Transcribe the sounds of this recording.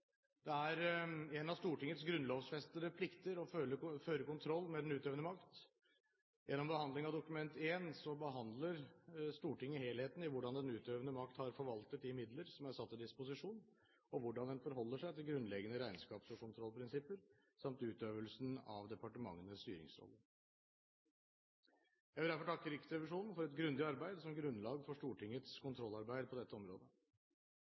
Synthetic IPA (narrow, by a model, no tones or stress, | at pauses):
d̪ɛæɾɛnɑʋst̪uːʈɪŋːət̪sɡɾʉnloːʋsfɛst̪əɾəpʰlɪkt̪əɾɔøləføːɾəɾkʊnt̪ʰɾɔlːmɛd̪ɛnʉːt̪øːʋənəmɑkt̪ | jɛnːɔmbəhɑnd̪lɪŋɑʋd̪ʊkʉmɛnt̪ʰeːnsɔbəɦɑnd̪ləɾst̪uːʈɪŋːəheːlheːt̪n̩ɪʋʊɖɑnd̪ɛnʉːt̪øːʋənəmɑkt̪hɑɾfɔɾʋɑlt̪ət̪̚ɪmɪd̪ləɾsɔmæɾsɑt̪ːɪd̪ɪspʊsɪʂuːn | ɔʋʊɖɑnd̪ɛnfɔɾɦɔlːəʂæɪt̪ɪlɡɾʉnlɛɡənəɾæɪnskɑːpsɔkʊnt̪ʰɾɔlpʰɾɪnsɪpəɾ | sɑmt̪ʉːt̪øːʋəlsnɑʋd̪ɛpɑʈəmɑ̰ŋːənəst̪yːɾɪ̰ŋsɾɔ̰lːə | jæhd̪æɾfɔʈʰɑkːəɾɪkːət̪ʰɾɛʋɪʂuːnn̩fɔɾɛt̪ɡɾʉnd̪ɪɑɾbæɪd̪sɔmɡɾʉnːlɑːɡfɔʂʈuːʈɪŋːət̪skʰʊnt̪ʰɾɔlːɑɾbæɪd̪əpʰɔd̪ɛt̪ːəɔmɾo̰ːd̪ə